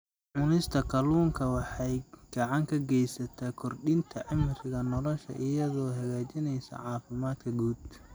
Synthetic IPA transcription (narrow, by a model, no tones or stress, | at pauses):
ʕʊnɪst̪ʰɐkʰɐluːŋkʰɐwɑħɑjɡ̥ɑʕɑŋkʰɐɡɛjsɐt̪ʰakʰɔrɖɪnt̪ʰɐʔɪmɪrɪɣɐnɔlɔʃɐ̰ʔɪjɐðɔːɦɐɣaːt͡ʃɪnɛjsɐ̰ʕɑːfɪmaːd̪kʰɐɡuːd̪